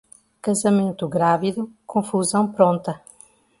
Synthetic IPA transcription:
kɐzɐmẽnt̪uɣɾaviðukʰõfuzɐ̃w̃pɾõnt̪ɐ

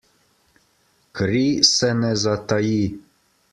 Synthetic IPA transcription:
kɾisɛnɛzat̪aji

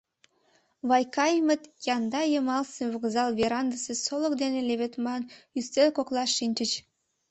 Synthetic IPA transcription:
βɑjkɑjmət̪kʲjɑnd̪ɑjəmɑlseβəɣzɑlβeɾɑnd̪əsesolə̆kd̪eneleβet̪mɑnyst̪elkoklˠɑʃːinʲt͡ɕət͡ɕ

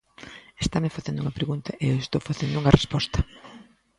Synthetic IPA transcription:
est̪amefaθẽnd̪ʊuŋɐpɾeɣunt̪ɐʔewest̪owfaθend̪ʊuŋɐrespɔst̪ɐ̥

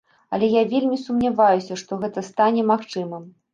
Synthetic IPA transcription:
ɐ̰lʲɛjavʲelʲmʲisumnʲavajusʲɐʂt̪ɔɣɛt̪ɐst̪anʲɛmaxt͡ʂɨmɨm

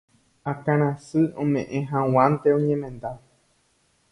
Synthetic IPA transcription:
akãɾ̃ãsɨõmḛ̃ʔẽɦãw̃ãnt̪eõɲẽmẽ̞nd̪a

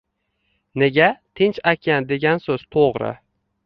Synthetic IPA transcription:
ne̞ɡʲat̪ʰɪnt͡ʃakʲʰand̪e̞ɡʲansɵz̥t̪ʰoʁɾɪ̰

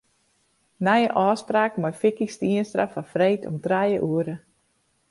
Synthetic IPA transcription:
najəʔɔːspraːkmɔjfɪkistiənstrafafreːtʰɔ̰mtrajəʔuəɾə

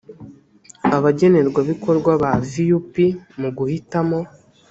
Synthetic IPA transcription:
aβaɟe̞ne̞ɾɡwaβiko̞ɾɡwaβavijupimuɡuhitamo̞

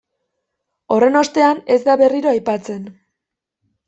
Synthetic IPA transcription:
o̞re̞no̞st̪e̞ane̞zd̪aβe̞riɾo̞ajpat͡se̞n

